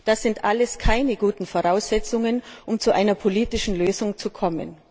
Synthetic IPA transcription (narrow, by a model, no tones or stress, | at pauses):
d̥asz̥ɪntʔaləskʰaɪnəɡuːtn̩foʁaʊsɛt͡sʊŋənʔʊmt͡suʔaɪnɐpʰoliːtɪʃn̩løːzʊŋt͡sukʰɔmə̰n